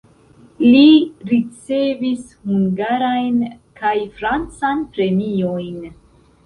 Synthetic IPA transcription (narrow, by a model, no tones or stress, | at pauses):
liɾit͡se̞vis | huŋɡaɾajnkajfɾant͡sanpɾe̞miojn